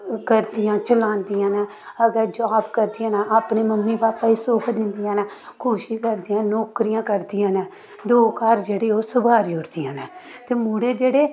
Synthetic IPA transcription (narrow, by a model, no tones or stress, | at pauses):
kəɾd̪ijãːt͡ʃəlãːnd̪ɪjãːnɛː | əɡɛːd͡ʒaːbkəɾd̪ijãːnaaːpɳeːməmːiːpaːpːaːiːsoːkʰd̪ɪ̃nd̪ijãːnɛːkʰuːʃiːkəɾd̪ijãːnoːkɾijãːkəɾd̪ɪjãːnɛː | d̪oːkaːɾd͡ʒeːɽeːoːsəbaːɾiːʊʈd̪iːãːnɛː | t̪eːmuːɽeːd͡ʒeːɽeː